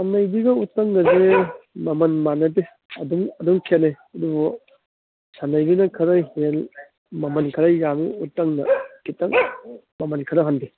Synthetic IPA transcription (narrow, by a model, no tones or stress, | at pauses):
amnɐjbiɡɐutːɐŋɡɐzemɐmɐnmanɐbi | ɐduŋɐduŋkʰene | ɐdubu | sanɐjɡinɐkʰɐɾɐjhel | mɐmɐnkʰɐɾɐjamḭutːɐŋnɐ̰kitɐŋ | mɐmɐnkʰɐɾɐɦanbi